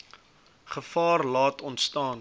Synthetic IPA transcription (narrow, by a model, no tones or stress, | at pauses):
χəfɑːrlɑːtɔntstɑːn